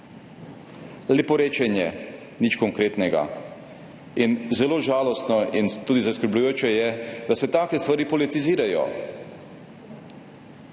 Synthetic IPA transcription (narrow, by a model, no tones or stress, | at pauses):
lɛpɔɾeːt͡ʃɛnjɛ | nit͡ʃkɔŋkɾeːt̪nɛɡa̰ | inzɛloːʒaːlɔst̪nɔint̪uːd̪izaskəɾblujoːt͡ʃɛjɛd̪asɛt̪aːkɛst̪ʋaɾiːpɔlit̪iziːɾajɔ̰